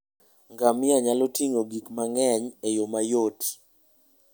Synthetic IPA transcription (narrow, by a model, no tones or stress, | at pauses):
ŋɡamɪaɲalotiŋoɡikmaŋɛɲejomajot